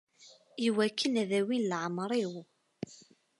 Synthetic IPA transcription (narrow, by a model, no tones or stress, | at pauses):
iwækːənæðæwinlʕəmɾˤiw